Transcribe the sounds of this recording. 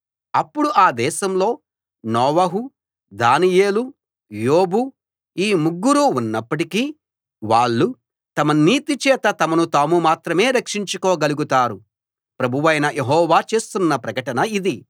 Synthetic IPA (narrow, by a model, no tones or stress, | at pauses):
ɐpːuɽuʔaːd̪ɛːʃɐmlo̞ː | nɔːʋɐɦu | d̪aːnije̞ːlu | joːbu | iːmuɡːuɾuunːɐpːɐʈ̬ikiː | ʋaːɭːu | t̪ɐmɐniːt̪it͡ʃɛːt̪ɐt̪ɐmɐnut̪aːmumaːt̪ɾɐme̞ːɾɐkʂiɲt͡ʃukoːɡɐluɡut̪aːɾu | pɾɐbʱuʋɐjnɐjʔe̞ɦɔːʋaːt͡ʃe̞ːst̪unːɐpɾɐkɐʈɐnɐid̪i